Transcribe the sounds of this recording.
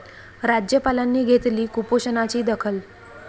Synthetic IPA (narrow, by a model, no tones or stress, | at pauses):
ɾad͡ʑjəpalanːiːɡʱet̪liːkupoɕənat͡ɕiːd̪əkʰəl